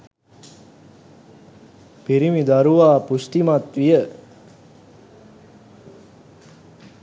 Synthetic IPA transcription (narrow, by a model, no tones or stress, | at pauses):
piɾimid̪aɾuʋaːpusʈimat̪ʋijə